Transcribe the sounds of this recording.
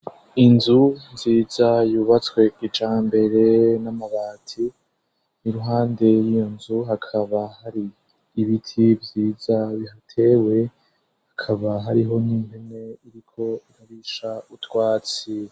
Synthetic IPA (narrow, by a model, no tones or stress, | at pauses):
inzunziːzajuβat͡swe̞ɡ̥it͡ʃaːmbe̞ɾe̞namaβaːtʰi | niɾuɦaːnde̞jijo̞nzuɦakʰaβahaɾiː | βitʰivjiːzaβihatʰe̞ːwe̞ | hakʰaβaɦaɾiɦo̞nimbene̞iɾikʰo̞iɾaβiʃautwaːt͡si